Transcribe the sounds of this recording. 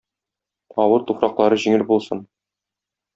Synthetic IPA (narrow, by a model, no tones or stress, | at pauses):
ɒwɤɾt̪ufɾɑqlˠɑɾɤʑiŋɘlbulˠsɤn